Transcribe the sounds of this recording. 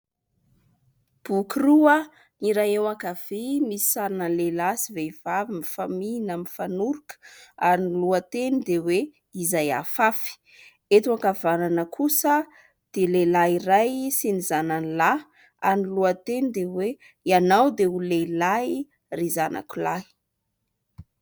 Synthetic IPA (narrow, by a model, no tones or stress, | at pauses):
b̥ukruə | niɾajewakav̥emisi̥saɾnəlelasiveiv̥avimifamiinamifanuɾukə̥aɾiniluət̪enid̪ewe | izaja̰fafi̥ | et̪uakavananəkʰusə | d̪̥elelairajsinizananla | aɾniluət̪enid̪ewe | ianawd̪eulela | rizanʔa̰kulai̥